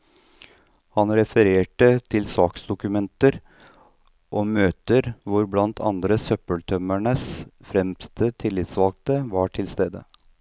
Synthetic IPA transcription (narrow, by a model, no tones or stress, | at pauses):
hɑnɾɛfəɾeːʈət̪ʰɪlsɑːksd̪ʊkʉmɛnt̪əɾ | ʔoːmøːt̪əɾʋʊɾblɑnt̪ʰɑ̰nd̪ɾəsœpəlt̪ʰœmæɳəsfɾɛmst̪ət̪ʰɪlːɪt̪sʋɑːɡ̚t̪əʋɑʈʰɪlst̪eːd̪ə̰